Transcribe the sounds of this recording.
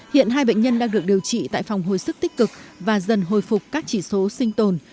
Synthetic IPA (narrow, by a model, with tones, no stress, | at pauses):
hḭ˧˨ənɦaː˧jɓə̰˧˨ŋ̟ɲə˧nɗaː˧ŋɗɨ˨˩ək̚ɗi˨˩əwt͡ɕḭ˧˨t̪a̰ː˧˨jfa˨˩wŋ͡mɦo̰˨jsɨ˦˥k̚t̪ï˦˥k̟̚kɨ˨˩k̚vaː˨˩zə˨˩nɦo̰˧˨jfʊ˨˩k͡p̚kaː˦˥k̚t͡ɕi˧˩so˨˦sï˧ŋ̟t̪o˨˩n